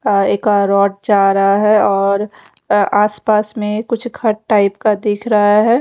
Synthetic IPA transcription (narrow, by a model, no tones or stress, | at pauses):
ekaɾɔːʈ̚d͡ʒaːɾɦaɦɛɔːɾ | aːspaːsmẽkʊt͡ʃʰkʰɐʈʈaːɪpkad̪ɪkʰɾɐɦaɦɛː